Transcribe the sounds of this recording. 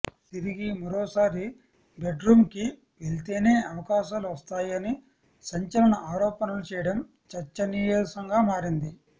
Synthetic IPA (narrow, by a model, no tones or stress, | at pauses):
t̪iɾiɡimɐɾɔːsaːɾi | be̞ɖɾuːmki | ʋelt̪eːneːɐʋɐkaːʃaːluʋɐst̪aːjɐni | sɐɲt͡ʃɐlɐɳɐaːɾɔːpɐnɐlut͡ʃɛːjɐɽɐm | t͡ʃɐt͡ʃːɐnijoːsɐŋɡaːmaːɾind̪i